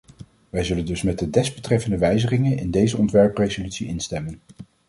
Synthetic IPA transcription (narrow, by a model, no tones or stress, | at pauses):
ʋɛjzɵləndɵsmɛd̚ədɛzbətrɛfəndəʋɛjzəχɪŋənɪ̰ndejzəɔntʋɛɹprejzolytsiʔɪnstɛmən